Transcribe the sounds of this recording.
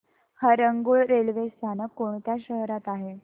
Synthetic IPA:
həɾəŋɡuːɭɾelʋest̪ʰanəkoɳt̪jaɕəɦɾat̪aɦe

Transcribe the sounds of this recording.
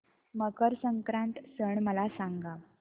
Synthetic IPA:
məkəɾsəŋkɾaɳt̪səɳməlasaŋɡa

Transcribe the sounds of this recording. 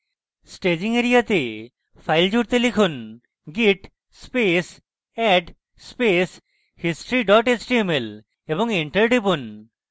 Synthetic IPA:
sʈed͡ʑiŋeɾijat̪e | pʰajld͡ʑuɽt̪elikʰun | ɡiʈ | spes | ɛʈ | spes | hisʈɾiɖɔʈet͡ɕʈiemel | ebɔŋeɳʈəɾɖipun

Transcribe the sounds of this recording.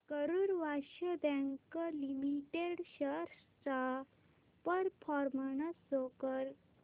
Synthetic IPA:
kəɾuɾʋaɕəbɛ̃ŋkəlimiʈeɽɕəɾ | t͡sa | pəɾpʰɔɾmənəsokəɾ

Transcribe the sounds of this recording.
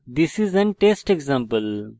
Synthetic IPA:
d̪isizɛ̃nʈeːsʈeɡzãmpəl

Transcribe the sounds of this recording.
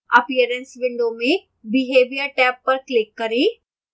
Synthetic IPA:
ɐ̰pijəɾənsʋɪ̃ɳɖomẽ | bɪɦeːʋijəʈɛːpːɐɾklɪkːɐɾeː

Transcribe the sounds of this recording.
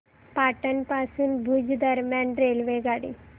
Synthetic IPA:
paʈənpasuːnbʱud͡ʑd̪əɾmjanɾelʋeɡaɽḭ

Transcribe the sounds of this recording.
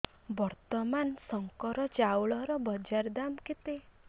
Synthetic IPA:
bɔɾt̪ɔmansɔŋkɔɾɔt͡ʃawɭɔɾɔbɔd͡ʒaɾd̪amkit̪e

